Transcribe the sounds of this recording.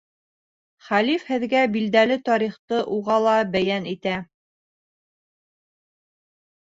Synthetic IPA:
χælifhɘ̆ðɡæbild̪ælɘt̪ɒɾiχt̪ɤʔuʁɑlˠɑbæjænit̪æ

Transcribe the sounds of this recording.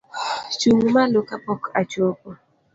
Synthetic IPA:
t͡ʃuŋmalokapɔkat͡ʃopɔ

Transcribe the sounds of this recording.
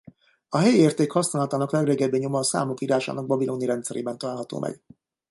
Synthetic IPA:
ɒɦɛjieːrt̪eːkhɒsnaːlɒt̪aːnɒklɛɡreːɡɛbːeːɲomɒsa̰ːmukiːɾaːʃa̰ːnɒɡ̚bɒbilʔoːniɾɛnt̪sɛɾḛːbɛnt̪ɒlaːlɦɒt̪o̰ːmʔɛ̰ɡ̥

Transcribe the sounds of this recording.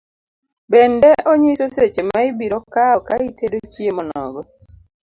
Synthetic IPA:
bɛndɛʔɔɲisoset͡ʃemaibiɾɔkaɔkaitedot͡ʃiemɔnɔ̰ɡɔ

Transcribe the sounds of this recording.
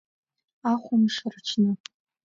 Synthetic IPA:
aχʷʊmʂɨrʈ͡ʂʷʰnɨ

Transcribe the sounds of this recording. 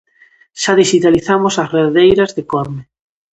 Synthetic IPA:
ʃaðiʃit̪aliθamosasreðejɾɐzðekɔɾme

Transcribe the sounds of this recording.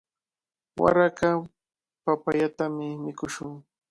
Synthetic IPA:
wa̰ɾaka | papaʎat̪amɪmɪkʊʃʊŋ

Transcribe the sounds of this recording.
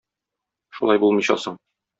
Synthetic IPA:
ʃulˠɑjbulˠmɤ̆jɕɑ̰sɤɴ

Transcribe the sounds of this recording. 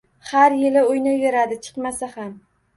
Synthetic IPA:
haɾjɪlɪʊjnɪveɾad̪ɪt͡ʃʰɨ̥qmasaham

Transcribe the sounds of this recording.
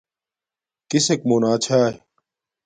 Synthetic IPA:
k̪isek̚moːnaːt͡ɕʰaː

